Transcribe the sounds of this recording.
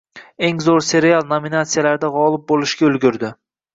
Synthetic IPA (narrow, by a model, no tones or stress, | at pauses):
e̞ŋzoɾse̞ɾealˠnominat̪sijalaɾd̪aʁɒlˠɪp̚bolˠɪʃɡʲaɵlɡʲʊɾd̪ɪ